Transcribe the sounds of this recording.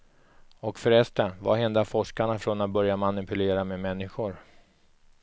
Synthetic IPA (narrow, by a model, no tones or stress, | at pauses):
ɔkfœɾɛst̪ənva̰ɦɛnd̪afɔʂkaɳafɾonat̪̚bœɾjamanɪpɵleːɾameːmɛnːɪɧʊɾ